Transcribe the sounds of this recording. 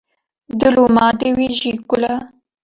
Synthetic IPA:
d̪əlomɑːd̪ewiʒikʊla

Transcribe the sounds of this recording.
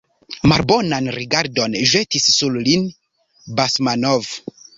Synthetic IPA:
malbonanɾiɡaɾdo̞nʒetisːullin | basmanov

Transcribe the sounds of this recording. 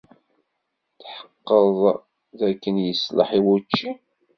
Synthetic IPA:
θħə̥qːəðˤ | ðækːənjəslə̰ħiwut͡ʃːi

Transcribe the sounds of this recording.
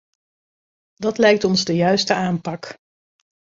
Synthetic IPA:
dɑtlɛjk̚tɔnzdəjœɥstəaːmpɑk

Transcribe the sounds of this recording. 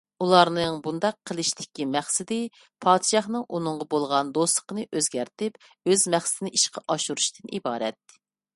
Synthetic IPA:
ulˠɑɾnɨŋbund̪ɑqʰːəlˠɨʃt̪ʰɪ̥kʲimæχsɪd̪ɪ | pʰɑːd̪ʃɑχnɨŋʔunɨŋʁɑbolˠʁɑnd̪oslˠə̥qənɨʔøzɡʲæɾt̪ɪp | øzmæχsɪd̪ɪnɪʔiʃqɑʔɑʃuɾuʃt̪ʰɪnʔḭbɑːɾɛ̰t̪ː

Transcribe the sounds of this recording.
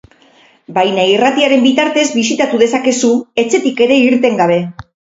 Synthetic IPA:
bajnairat̪iaɾe̞mbit̪aɾt̪e̞zβisit̪at̪uðe̞sake̞sue̞t͡se̞t̪ike̞ɾe̞iɾt̪e̞ŋɡaβ̞e̞

